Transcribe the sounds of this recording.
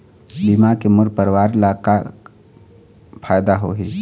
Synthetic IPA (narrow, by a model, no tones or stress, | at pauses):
bimakemʊɾpəɾwaːɾlaka | pʰaːjd̪aɦoɦi